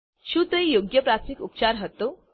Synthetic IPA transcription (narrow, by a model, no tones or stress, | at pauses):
ɕuːt̪əijoɡjəpɾaikupt͡ɕaɾɦət̪o